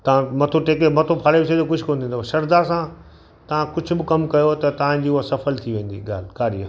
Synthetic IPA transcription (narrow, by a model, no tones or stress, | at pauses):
t̪ɐʋ̤ãmɐt̪ʰoʈeːkemɐt̪ʰopʰaːɽebɪsʰed̪okʊd͡ʑʱʊkoːnd̪ʰiːnd̪oʃɐɾd̪asã | t̪ɐʋ̤ãkʊd͡ʑʱʊbɪkɐmkɐjot̪ɐt̪ɐʋ̤ãd͡ʑiːʊɦasɐfəlt̪ʰiʋẽːn̆d̪iɡa̰ːl̤kaːɾijə